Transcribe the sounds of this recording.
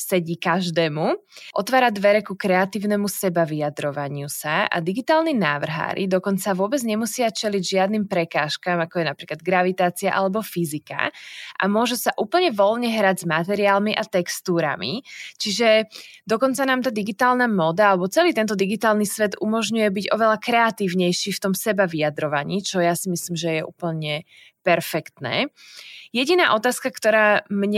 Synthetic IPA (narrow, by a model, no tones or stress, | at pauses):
sɛɟikaʒd̪ɛːmuʔɔt̪ʋaːɾad̪ʋɛɾɛkukɾɛat̪iːʊnɛmusɛbaʋiad̪ɾɔʋaɲɪusaa̰d̪iɡit̪aːlnina̰ːʋr̩ɦa̰ːɾʔḭd̪ɔkɔnt͡saʋʊɔbɛd͡zɲɛmusɪat͡ʃɛliɟʒɪad̪nimpɾɛkaːʃkaːmakɔjɛnapɾiːklad̪̚ɡɾaʋit̪aːt͡sia̰ʔalɛbɔfizika̰ʔa̰mʊɔʒɛsaʔuːpl̩ɲɛʋɔlɲɛɦɾaɟzmat̪ɛɾiaːlmiʔat̪ɛkst̪uːɾa̰mḭt͡ʃiʒɛd̪ɔkɔnt͡sanaːmt̪aːd̪iɡit̪aːlnamɔd̪aalɛbɔt͡sɛliːt̪ɛnt̪ɔd̪iɡit̪aːlˠnisʋɛd̪ʔumɔʒɲujɛbiɟɔʋɛlakɾɛat̪iːʋɲɛjʃiːft̪ɔmsɛbaʋijad̪ɾɔʋaɲiːt͡ʃɔjasimisliːmʒɛjɛʔṵːpl̩ɲɛ | pɛɾfɛkt̪nɛ̰ː | jɛɟinaːʔɔt̪aːskakt̪ɔɾaːmɲɛ